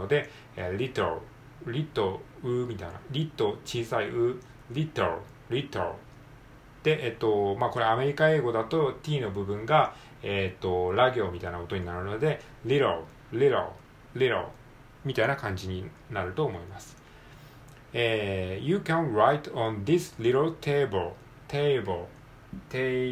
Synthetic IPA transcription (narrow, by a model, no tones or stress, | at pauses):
od̪e̞ | eɾʲit̪eɾ̰ | ɾʲit̪ːoɯ̟mʲit̪aina̰ɾʲit̪ːo̞t͡ɕiːsaiʔɯ̟ | ɾʲit̪ | ɾʲit̪ɾ̰ | d̪̥e̞ʔet̪ːo̞mako̞ɾe̞ame̞ɾʲikae̞ːɡo̞d̪at̪o̞t̪ʲiːno̞bɯ̟bɯ̟̃ŋɡa | et̪ːo̞ɾaɡʲiomʲit̪ainako̞t̪oɲ̟inaɾɯ̟no̞d̪e̞ | ɾʲiɾol | liɾo̰l | liɾo̰l | mʲit̪ainakãɲ̟d͡ʑiɲ̟i | naɾɯ̟t̪o̞ːmo̞imasɨ̥ | eːjɨkãnɾajt̪õnd̪islʲiɾolt̪ʰeːbɯl | t̪ʰebɯl | t̪e